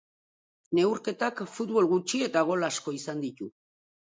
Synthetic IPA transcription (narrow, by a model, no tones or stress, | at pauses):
ne̞wɾke̞t̪akfut̪βo̞lɣut͡ʃie̞t̪aɣ̞o̞lasko̞isand̪it̪u